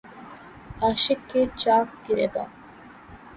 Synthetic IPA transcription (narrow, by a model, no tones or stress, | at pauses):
ɐʃekːet͡ʃaːk̚ɡiɾebɐ̰